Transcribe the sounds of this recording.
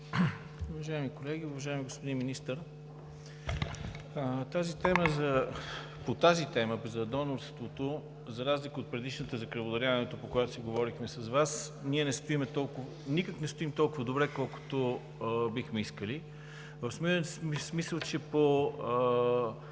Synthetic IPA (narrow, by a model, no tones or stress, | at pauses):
ʊvɐʒaɛmikolɛɡʲiʊvɐʒaimiɡospod̪inminist̪əɾ | ət̪azit̪ɛməzɐ | pot̪azit̪ɛməzɐd̪ɔnoɾst̪vot̪o | zɐɾazlikəot̪̚pɾɛd̪iʃnət̪əzɐkɾɐvod̪ɐɾʲjavɐnɛt̪opokojat̪o̥siɡovɔɾixmɛsɐzvasniɛnɛst̪oimɛt̪ɔlˠkʊv | nikəknɛst̪oimt̪ɔlˠkʊvəd̪obɾɛkɔlˠkʊ̥t̪o | bixmɛiskəli | vəfsmissmisəlˠt͡ʃɛpoə